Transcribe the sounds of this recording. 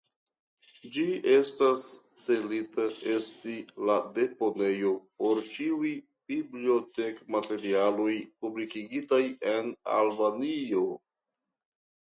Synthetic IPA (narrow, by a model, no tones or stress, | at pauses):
d͡ʒie̞stast͡se̞litae̞stilade̞po̞ne̞jo̞po̞ɾt͡ʃiuj | b̥iblio̞te̞kmate̞ɾialo̞jpublikiɡitaje̞na̰lbanio̞